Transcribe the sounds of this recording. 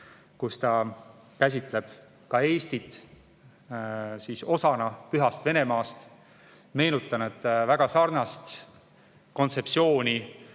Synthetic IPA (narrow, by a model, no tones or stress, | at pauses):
kust̪ɑ | kæs̬ʲit̪ˑle̞b̥ | kɑe̞ːst̪it̪ːˑ | siso̞sɑnɑpyɦɑst̪ve̞ne̞mɑːst̪ | me̞ːnut̪ˑːɑnet̪ːˑvæɡ̥ɑsɑrnɑst̪ | ko̞nt̪se̞psio̞ːnʲi